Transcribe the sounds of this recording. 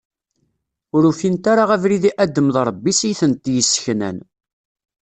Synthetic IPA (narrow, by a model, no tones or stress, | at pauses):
ʊɾufint̪aɾaʁævɾiðiʔæd̪ːəmðˤɾˤəbːisijθənt̪jəsːə̥çnæ̰n